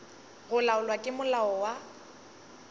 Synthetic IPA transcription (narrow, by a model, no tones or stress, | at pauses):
ɣʊlaʊlwakʼɪmʊlaɔwa